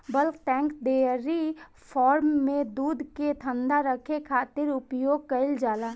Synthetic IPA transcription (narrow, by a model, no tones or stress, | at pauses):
bəlkt̪ɛ̃ːŋkd̪eəɾi | pʰɔːɾmːẽd̪uːd̪ʱket̪ʰə̃nd̪aɾəkʰekʰaːt̪ɪɾʊpjoːɡ̚kəɪld͡ʒaːlaː